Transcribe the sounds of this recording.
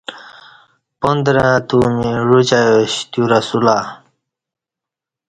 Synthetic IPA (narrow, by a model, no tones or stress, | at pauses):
pond̪ɾãːt̪uːmiɻut͡ɕajoɕt̪juɾasulaː